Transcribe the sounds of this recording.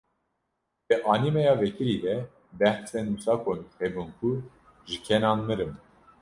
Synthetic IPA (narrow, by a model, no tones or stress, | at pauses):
d̪̥ɛʔɑnimɛjɑvɛkʰiɾid̪ɛ | bɛhsɛnusɑkʰonχɛbunkʰu | ʒɨkʰɛnɑnmɨɾɨm